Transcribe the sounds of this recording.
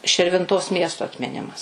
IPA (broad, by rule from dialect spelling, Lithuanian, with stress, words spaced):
ʃʲɪrʲʋʲɪnˈtoːs ˈmʲiɛstoː ɐtʲmʲɪˈnʲɪmɐs